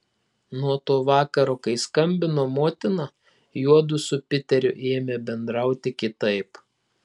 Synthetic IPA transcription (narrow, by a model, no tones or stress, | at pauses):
nuɔt̪oːʋɑːkɐɾoːkɐɪskɐmʲbʲɪnoːmoːt̪ʲɪnɐ | juɔd̪ʊsʊpʲɪt̪ʲɛɾʲʊʔeːmʲɛbʲɛnd̪ɾɐˑʊt̪ʲɪkʲɪt̪ɐɪp